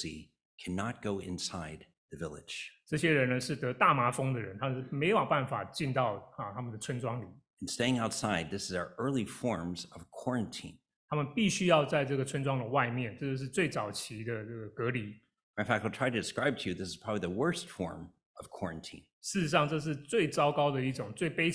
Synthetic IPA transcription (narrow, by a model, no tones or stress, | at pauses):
sḭ | kʰæ̃nət̚ɡ̥oʊʔɪ̰̃nsaɪd̪̚ | ðɨvɪlˠɪ̰d̥ʒ̥ʈ͡ʂɤɕjɛɻənəʂɻ̩t̪ɤt̪amafɤŋd̪əɻənt̪ʰamənmeɪwɑŋpanfat͡ɕint̪ɑʊət̪ʰaməndət͡sʰwənʈ͡ʂwɑŋlĩ | nsteɪɪ̃ŋaʊtsaɪd̪̚ðɪsɨzaʊə˞ʔɜ˞lˠifɔɹmzʌv̥kʰɔɹɨ̃ntʰḭ̃n | t̪ʰamənpiɕyjɑʊt͡saɪʈ͡ʂɤɡət͡sʰwənʈ͡ʂwɑŋd̪əwaɪmjɛnʈ͡ʂɤt͡ɕjoʊʂ̬̩t͡sweɪt͡sɑʊt͡ɕʰid̪ənɤɡəkɤli | ãɪ̃fæk̚taɪlˠtʰɹ̥aɪɾɨdɨskɹaɪb̚tʰɨjʉðɪsɨz̥pʰɹ̥ɑbəbliðəwɜ˞stfɔ̰ɹm | ʌv̥kʰwɔɹɨ̃ntʰḭ̃nʂɻ̩ʈ͡ʂ̩ʂɑŋʈ͡ʂɤʂ̬ɻ̩t͡sweɪt͡sɑʊkɑʊd̪əiʈ͡ʂʊŋt͡sweɪpeɪ